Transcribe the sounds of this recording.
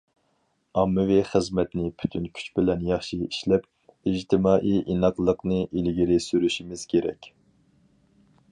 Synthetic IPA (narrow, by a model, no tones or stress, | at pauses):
ɑmːɨviχəzmɛt̪nɪpʰy̥t̪ʰynkʲʰy̥t͡ʃbɪlɛnjɑχʃiiʃlɛp̚ | id͡ʒt̪ʰɪmɑːʔiʔinɑqlˠəqnɨʔilɡʲiɾɪsyɾyʃimɪz̥kʲʰeɾɛ̰kʲ